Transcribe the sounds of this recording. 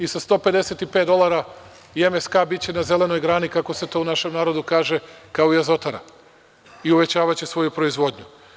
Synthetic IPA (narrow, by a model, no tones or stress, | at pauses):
isast̪o̞ːpe̞d̪e̞set̪ipe̞t̪d̪o̞lˠaɾa | iemeskaːbit͡ɕe̞naze̞le̞no̞jɡɾaːnikako̞set̪o̞unaʃe̞mnaːɾo̞d̪ukaːʒe̞kaoiazo̞t̪aɾa̰ | iuʋe̞t͡ɕaːʋat͡ɕesʋo̞jupɾo̞izʋo̞d̪ɲu